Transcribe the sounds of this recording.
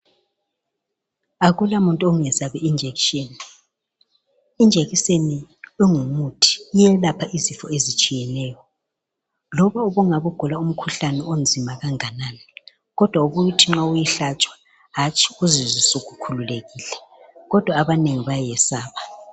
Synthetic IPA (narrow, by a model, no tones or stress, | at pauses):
aɣulamuntʼuoŋɛzaβɛind͡ʒʱeɣʃeni | ind͡ʒʱeɣiseniɛŋumutʰi̥jɛlapʰaʔizifɔezit͡ʃʼijɛnɛːjɔ | lɔβaɔβuŋaβuɡ̥ʱulaum̩kʰuɬanɛond͡zʱimaɣaŋanaːnɛ | ɣɔd̥ʱwauβuutʰiŋ͡ǁaujiɬat͡ʃʼwḁ | ɦat͡ʃʰʼi̥uzizisoɣukʰululeɣiːlɛ | ɣɔd̥ʱwaːβaneŋiβajɛsaːβa